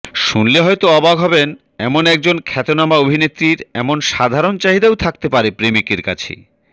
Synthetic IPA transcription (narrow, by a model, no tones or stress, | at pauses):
ʃunleɦɔjt̪oɔbaɡɦɔben | ɛmonɛk̚d͡ʑonkʰɛt̪onamaobʱinet̪ːɾiɾɛmonʃad̪ʱaɾont͡ɕaɦid̪awt̪ʰak̚t̪epaɾepɾemikeɾka̰t͡ɕʰḛ